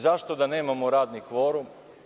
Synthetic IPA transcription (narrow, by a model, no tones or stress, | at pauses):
zaʃt̪o̞d̪aneːmamoɾaːd̪nikʋoːɾum